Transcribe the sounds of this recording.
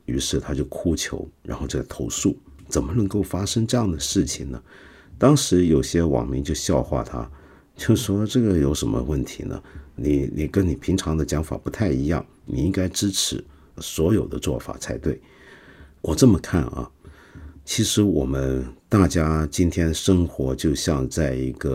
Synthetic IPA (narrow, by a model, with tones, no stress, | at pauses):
y˧˥ʂɻ̩˥˩t̪ʰa˥t͡ɕjo˥˩ʊkʰu˥t͡ɕʰjo̰˧˥ʊɻa̰˧˥nxo˥˧ʊʈ͡ʂɤ˥˩ɡə˨˩t̪ʰo˧˥ʊʂu˥˩t͡sə˨˩nmə˦nɤ˧˥ŋko˥˩ʊfa˥ʂɤ˥ŋʈ͡ʂɤ˥˧jɑ˥˩ŋd̪ə˩ʂɻ̩˥˩t͡ɕʰi˨˩ŋnə̰˦ | t̪ɑ˥ŋʂɻ̩˧˥jo˨˩ʊɕjɛ˥wɑ̰˨˩ŋmi˧˥ŋt͡ɕjo˥˧ʊɕjɑ˥˧ʊxwa̰˥˩t̪ʰa̰˥ | t͡ɕjo˥˩ʊʂwɔ˥ʈ͡ʂɤ˥˩ɡə˩jo˧˥ʊʂə˧˥nmə̰˧wə˥˩nt̪ʰḭ˧˥nə̰˧ni˨˩ni˨˩kə˥nni˨˩pʰi˧˥ŋʈ͡ʂʰɑ˧˥ŋd̪ə˧t͡ɕjɑ˧˥ŋfa̰˨˩pu˧˥t̪ʰa˥˩ɪi˧˥jɑ̰˥˩ŋ | nḭ˨˩i˥ŋka˥ɪʈ͡ʂɻ̩˥ʈ͡ʂʰɻ̩˧˥˦ | swɔ˧˥jo˨˩ʊd̪ə˦t͡swɔ̰˥˩fa̰˨˩t͡sʰa˧˥ɪt̪we˥˩ɪ | wʔɔ˨˩ʈ͡ʂɤ˥˩mə˩kʰa˥˩nɐ̰˩ | t͡ɕʰi˧˥ʂɻ̩˧˥wɔ̰˨˩mə˦nt̪a˥˩t͡ɕja˥t͡ɕi˥nt̪ʰjɛ˥nʂɤ˥ŋxwɔ˧˥t͡ɕjo˥˧ʊɕjɑ˥˧ŋt͡sa˥˩ɪi˧˥ɡ̥ə˧